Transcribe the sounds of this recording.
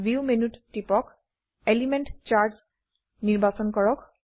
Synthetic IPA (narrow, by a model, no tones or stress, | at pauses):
viumenuttːipɔk | elimenʈt͡ɕaɹs | niɹbasɔnkɔɹɔk